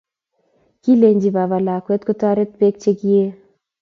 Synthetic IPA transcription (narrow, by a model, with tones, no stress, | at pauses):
ki˦le˨ɲd͡ʒi˨βa˨βa˨la˨kwɛ˦t̪̚kʊ˦t̪a˦ɾe˦t̪̚pe˦k̚t͡ʃe˦ki˦e˦